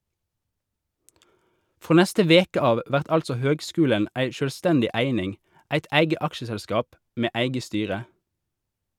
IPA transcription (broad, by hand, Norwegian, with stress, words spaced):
ˈfʁoː ˈnɛstə ˈʋeːkə ˈɑːʋ ˈʋæʁt ˈɑlsɔ ˈhøːɡˌskʉːlən ˈæɪ ˌʃøːlˈstɛndɪ ˈæɪnɪŋ ˈæɪt ˈʔæɪɡə ˈʔɑkʃəsɛlˌskɑːp ˈmeː ˈæɪɡə ˈstyːʁə